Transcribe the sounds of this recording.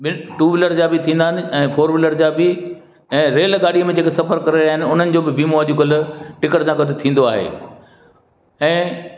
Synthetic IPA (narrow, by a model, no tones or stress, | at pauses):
bɪʈuːʋɪləɾd͡ʑaːbɪt̪ʰĩːn̆d̪aːɦɪnɪ̆ɛ̃ːfʰoːɾʋɪləɾd͡ʑaːbɪ | ɛ̃ːɾeːlɠaːɗijmẽd͡ʑeːkesɐfəɾkɐɾeɾiaːɦɪnɪ̆ʊn̤ənɪ̆d͡ʑoːbɪbimoad͡ʑuːɡəlʈɪkəɽsãkɐdot̪ʰĩːn̆d̪oaːɦḛː | ɛ̃ː